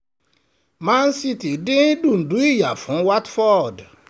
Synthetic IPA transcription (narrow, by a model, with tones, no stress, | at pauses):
ma˦n˦si˦ti˨dĩ˦dũ˦˨n̩˨du˦i˦ja˨fũ˨˦wa˦tfɔ˦˨d